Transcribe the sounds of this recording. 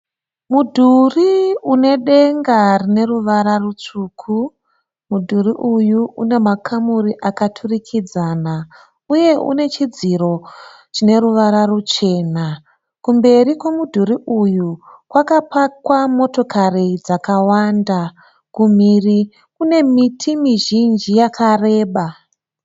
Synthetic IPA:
mudʱuriune̞ɗe̞ŋɡarine̞ɾuʋaɾarut͡ʂuːkʰu | mudʱuriʔujuṵne̞makʰamuɾiʔakatʰurikʰid͡zaːna | uje̞ʔṵne̞t͡ʃid͡ziɾo̞ | t͡ʃine̞ɾuʋaɾarut͡ʃe̞ːna | kumbe̞ɾikwe̞mudʱuɾiʔujukwakapakwamo̞to̞kʰarid͡zakawanda | kumiri | kune̞mitʰimiʒind͡ʒijakʰare̞ːɓa

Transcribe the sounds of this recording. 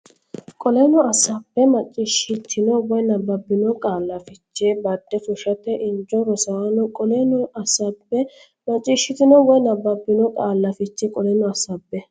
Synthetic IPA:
kʼɔlɛnɔɐsɐpːɛmɐt͡ʃʼːɪʃɪt̪ʰːɪnɔwɔjnɐbːɐbːɪnɔkʼaːlːɐfɪt͡ʃːebɐd̪ːɛfʊʃɐt̪ɛʔɪnd͡ʒːɔɾɔsɐwanʊkʼɔlɛnɔɐsɐpːɛ | mɐt͡ʃʼːɪʃːɪt̪ɪnɔwɔjnɐbːɐbːɪnɔkʼaːlːɐfɪt͡ʃːɛkʼɔlɛnɔɐsɐbːɛ

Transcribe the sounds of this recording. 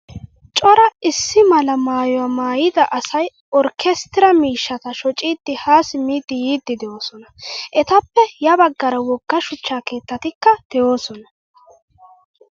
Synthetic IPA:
t͡ʃʼɔɾɐɪsːɪmɐlɐmaːjɔwaːmaːjɪd̪ɐʔɐsɐj | ʔɔɾkʰɛst̪ɪɾɐmiːʃːɐt̪ɐʃɔt͡ʃʼiːd̪ːɪhaːsɪmiːd̪ːɪjiːd̪ːɪd̪ɛjoːsɔnɐʔɛt̪ɐpːɛjɐbɐɡːɐɾɐwɔɡːɐʃʊt͡ʃːaːke̞ːt̪ːɐt̪ɪkːɐd̪̥ɛo̞ːsɔnɐ

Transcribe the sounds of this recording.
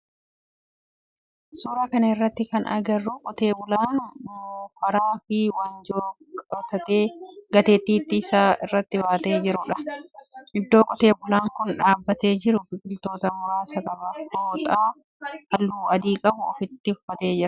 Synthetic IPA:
suːɾaːkɐnɐɪrːɐt̪ːɪkɐnʔɐ̰ɡɐrːukʼɔt̪e̞ːbʊlaːnmufɐɾaːfɪwɐnd͡ʒoː | kʼɔt̪ɐt̪e̞ːɡɐt̪e̞ːt̪ːiːt̪ːɪsaːɪrːɐt̪ːɪbaːt̪e̞ːd͡ʒɪɾʊᶑɐ̥ | ʔɪd̪ːo̞ːkʼɔt̪e̞ːbʊlaːŋkʊnᶑaːbːɐt̪e̞ːd͡ʒɪɾʊbɪkʼɪlt̪o̞ːt̪ɐmʊɾaːsɐkʼɐbɐhoːt̪ʼaː | ʔɐlːuːɐd̪iːkʼɐbʊɔfɪt̪ːɪʊfɐt̪eːd͡ʒɪɾɐ

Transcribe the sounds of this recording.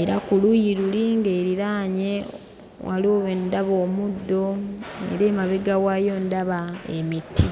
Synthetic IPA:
e̞ɾakulujiɾuliŋɡeːɾiɾaːɲe̞ | wʔaloβendaβoːmudːo̞ḛɾeːmaβeɡawajo̞ndaβaḛmitʰːi

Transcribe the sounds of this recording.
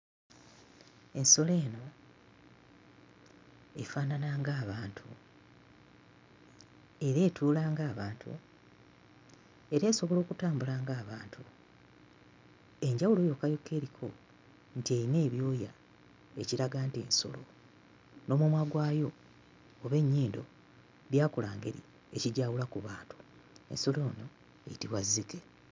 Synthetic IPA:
e̞nso̞le̞ːno̞ | efaːnanaːŋɡaːβaːntʰṵ | e̞ɾe̞ːtʰuːlaːŋɡaːβaːntʰṵ | e̞ɾe̞ːso̞βo̞lo̞ːkutaːmbulaːŋɡaːβaːntʰu | e̞ɲɟawulojo̞kajokːe̞ːɾikʰo̞ | n̩tiejine̞ːβjo̞ːja | eciɾaɡaːntie̞̰nso̞̰lo̞̰ | no̞ːmumwaɡwaːjo̞ː | βe̞ɲːiːndo̞̰ | βjaːkulaːŋɡe̞̰ɾḭ | e̞ciɟaːwulakuβaːntu̥ | e̞̰nso̞lo̞ːno̞ | e̞̰jitiβwazːike

